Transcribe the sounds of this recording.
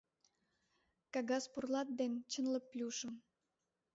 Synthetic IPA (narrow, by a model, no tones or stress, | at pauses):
kɑɣɑspurlɑt̪̚d̪ent͡ɕənlə̆plʲuʃə̆m